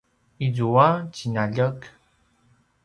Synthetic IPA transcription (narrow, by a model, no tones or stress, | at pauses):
izuat͡ɕinaʎək